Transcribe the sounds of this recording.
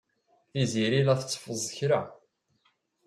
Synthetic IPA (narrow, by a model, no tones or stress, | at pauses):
θiziɾilæθət͡sːfəzˤəçɾa